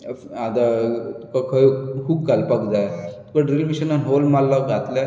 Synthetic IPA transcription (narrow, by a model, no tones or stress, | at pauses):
ad̪at̪u̥kakʰəjkʰuːb̚kalpakd͡zajt̪u̥kaɖɾilmiɕənanɦolmalːaɡʱat̪la